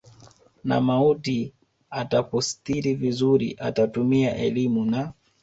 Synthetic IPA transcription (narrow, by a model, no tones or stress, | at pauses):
na̰mauti | atapɔstiɾivizuɾḭʔa̰tatumiaʔɛlimuna